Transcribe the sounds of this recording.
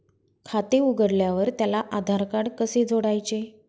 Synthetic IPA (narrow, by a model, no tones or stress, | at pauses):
kʰat̪euɡəɾljaʋəɾt̪jalaʔad̪ʱaɾkaɽkəsed͡zʱoɽajt͡ɕe